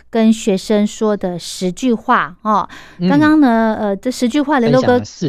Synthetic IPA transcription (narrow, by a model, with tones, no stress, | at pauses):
kə˥nɕɥɛ˧˥ʂə˥ŋʂwɔ˥d̪ə˨ʂɻ̩˧˥t͡ɕy˥˧xwa˥˩ɐ˥˩kɑ˥ŋkɑ˥ŋnə˨ə˧ʈ͡ʂɤ˥˩ʂɻ̩˧˥t͡ɕy˥˧xwa˥˩llo˥˩˧kɤ˥